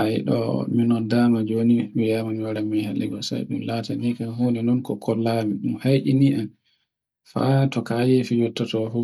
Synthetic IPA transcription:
ajḭɗɔ̰minɔdamad͡ʒoniwijamanaɾamihalɛɡɔsa̰jɗumlatanikahoninɔnkɔkʰɔlːamiɗumhajʔiniʔan | fa̰tɔkajefijɔtːatɔfu

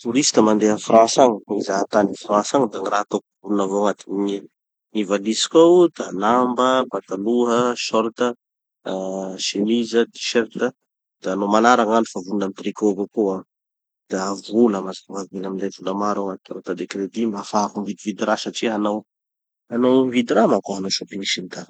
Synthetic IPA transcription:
t̪uɾist̪əmand̪eafrãsaŋəizat̪anifɾãsaŋəd̪aŋirat̪okuvulunavoaŋat̪i̥iɲi | ivalisi̥kawd̪̥anambəpat̪aluɦəʃɔɾt̪ə | ʃemizəd̪i̥ʃɛɾt̪ə | d̪̥aanomanaɾaŋani̥favulunamit̪rikovakua | d̪̥aavuləmazakaŋavinamind̪avulamaɾaŋat̪i̥ka̰t̪ad̪ekɾed̪imafakumvid̪ivid̪iɾasaʈ͡ʂiɦanaw | anawmvid̪iɾamakoɦanasop̪iisint̪a

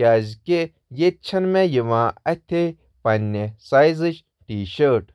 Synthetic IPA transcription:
aːzke | jet̪̚t͡ʃʰɐnmejiʋãːɐt̪ʲʰe | pɐnːesaːjzɨʃ | ʈiːʃəːʈ

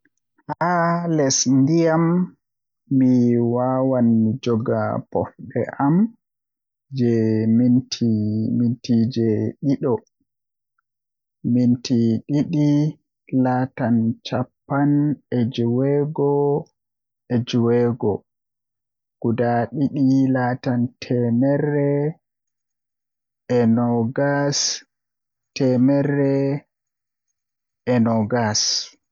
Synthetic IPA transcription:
halɛsndijamː | iwaːwanmid͡ʒɔɡapɔ̰fɓɛ̰ʔam | d͡ʒɛmintʰimintid͡ʒɛɗiɗɔ | mintʰiɗiɗi | laːtant͡ʃapːanɛd͡ʒuwɛɡɔ | ɛd͡ʒuwɛɡɔ | ɡ̥udaɗiɗilatantʰɛmɛɾrːɛ | ʔɛnɔɡas | tɛmɛɾːɛ | ʔɛnɔɡas

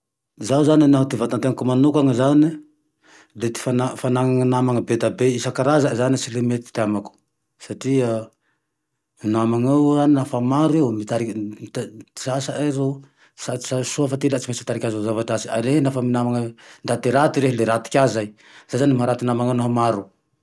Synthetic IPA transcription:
zawzaninaɦut̪ivat̪ant̪eŋkumanukaŋəzani | let̪i̥fanafanaŋaŋənamaŋəbed̪abeisakaɾazazanisilemet̪i̥t̪amaku̥ | saʈ͡ʂia | minamaŋawaninafamaɾuewmit̪aɾit̪i̥sasaʔazo | sḁsasuafat̪ilat͡simasi̥t̪aɾikʲazazavaʈ͡ʂasia̰lenafəminamaŋənd̪at̪iɾat̪iɾeɦileɾat̪i̥kʲazaj | z̥ajzanimɦaɾat̪inamaŋawnaɦamaɾu

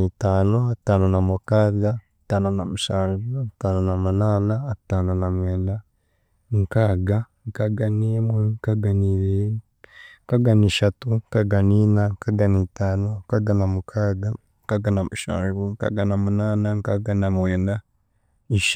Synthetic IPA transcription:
itanoatanonamukaɡatanonamuʃaːʒuataːnonamunanaːtaːnonamweːnda | ŋkaɡa | ŋkaɡanemweŋkaɡaniβe | ŋkaɡaniʃatuŋkaɡaninaŋkaɡanitaːnokaɡanamukʰaɡa | ŋkaɡanamuʃa̰ːnʒuŋka̰ɡanamunanaŋkaɡanamweːnda | iʃ

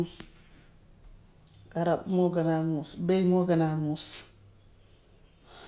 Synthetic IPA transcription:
kaɾapmoɡanamusbejmoɡanamus

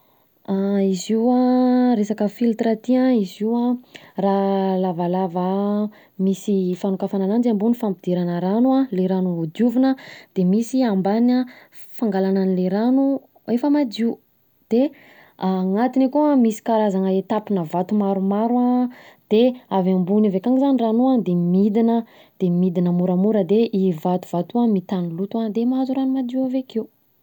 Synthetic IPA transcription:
aiziuaɾesakəfilt̪ɾat̪iaiziwaralavalavə | misifanukafananand͡ʒambunifampid̪̥eɾanəɾanualeɾanuud͡ʒuvinəd̪̥emisiambana | faŋɡalananileɾanu | efəmad͡ʒ̪iu | d̪̥e | aŋat̪inakuamisi̥kaɾazanəet̪apinəvat̪umaɾumaɾuad̪̥eavambunivekaŋizaniranuad̪emid̪inə | d̪̥emid̪inəmuɾamuɾəd̪eʔivat̪uv̥at̪uamit̪anilut̪uad̪emaazuɾanumad̪iavekeu

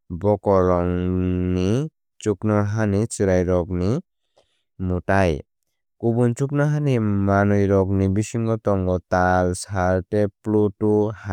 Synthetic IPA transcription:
bɔkɔɾɔŋni | t͡ʃuknɔɦanit͡ʃiɾajɾɔk̚ni | mutaj | kubunt͡ʃuk̚naɦanimanujɾɔk̬̚nibisiŋɡɔt̪ɔŋɡɔt̪alsaɾteplutuha

